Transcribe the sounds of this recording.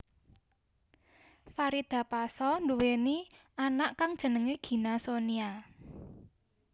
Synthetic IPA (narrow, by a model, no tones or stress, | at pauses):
faɾid̪̥ä̤pasɔnduweni | anaʔkaŋd̥ʒ̥ə̤nəŋeɡ̥i̤nasonia